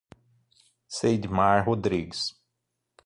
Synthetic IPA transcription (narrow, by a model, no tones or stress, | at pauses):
sejd̪imaɾɦod̪ɾiɡɪs